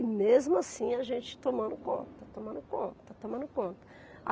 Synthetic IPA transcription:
mezmʊasĩɐʒẽnt͡ʃɪ̥t̪omɐ̃nd̪ʊkõ̰nt̪ɐt̪at̪omɐ̃nd̪ʊkõt̪ɐ̥t̪at̪omɐ̃nd̪ʊkõnt̪ɐ̥ | a̰

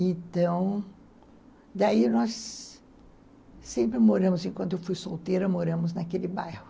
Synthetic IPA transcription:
ẽt̪ɐ̃w̃ | d̪ainɔs | ẽmpɾɪmoɾɐ̃mʊzẽkwɐ̃nt̪ʊewfujsowt̪ejɾɐmoɾɐ̃mʊznakelɪbajhʊ

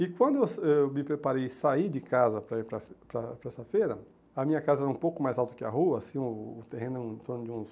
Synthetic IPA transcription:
ɪkwɐ̃nd̪ʊewsɛmɪpɾepaɾejsaid͡ʒɪkazɐpɾɐpɾɐfpɾɐpɾɐɛsɐfejɾɐ | ɐmĩɲɐkazɐɛɾɐũpowkʊmajzawˠt̪ʊkɪa̰ɦuɐːsĩʊːt̪eɦẽnʊẽẽnt̪oɾnʊd͡ʒɪũs

